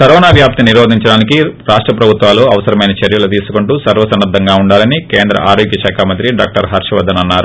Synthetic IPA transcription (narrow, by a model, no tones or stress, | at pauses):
kɐɾɔːnaːʋjaːp̚t̪iniɾoːd̪ʱiɲt͡ʃɐɽaːnikiɾaːʂʈɾɐpɾɐbʱut̪ʋaːloːɐʋɐsɐɾɐmɐjnɐt͡ʃɐɾjɐlɐt̪̬iːsu̥kuɳʈuːsɐɾʋɐsɐnːɐd̪ʱːɐŋɡaːuɳɖaːlɐnikeːnd̪ɾɐ̰ʔaːɾoːɡjɐʃaːkʰaːmɐnt̪ɾiɖa̰ːk̚ʈɐɾɦɐɾʂɐʋɐd̪ːɐnɐnːaːɾu